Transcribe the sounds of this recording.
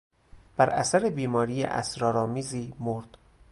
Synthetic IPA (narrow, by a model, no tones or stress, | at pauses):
b̥æɾʔæ̰sæɾebiːmɒːɾiːjḛʔæ̰sɾɒːɾɒːmiːziːmoɾd̪̥